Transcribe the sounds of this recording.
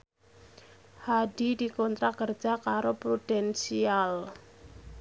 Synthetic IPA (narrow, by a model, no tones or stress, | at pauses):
haɖidikont̪ɾakər̥d͡ʒ̥akaɾopɾud̥ɛnsial